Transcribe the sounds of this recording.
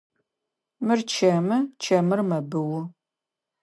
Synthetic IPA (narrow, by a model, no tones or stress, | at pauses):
mɨrt͡ʃʰɐmɨt͡ʃʰɐmɨrmɐbɨwʊ